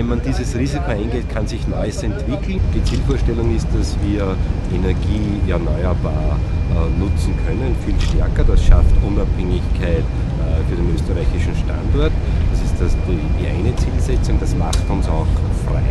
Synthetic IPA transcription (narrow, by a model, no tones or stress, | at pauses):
ɛnmandiːzəsʁiːzikʰoæɪnɡeːt̚kʰansɪçnɔʏəsɛntv̥ɪkʰl̩nɡ̥et͡siːlfoːɐʃtɛlʊŋɪst̚d̥asviːɐd̥ienɛɐɡiːɛɐnɔʏəbaːɐnʊt͡sn̩kʰœnənfiːlʃtɛɐkɐd̥asʃaftʔʊnaphɛŋɪçkʰæɪt | fyːɐdenøːstɐʁaɪçɪʃn̩ʃta̰ndɔɐtd̥asɪstd̥asd̥içd̥iʔæ̰ɪnət͡siːlsɛt͡sʊŋd̥asma̰xtʊnsɑʊxfʁa̰ɪ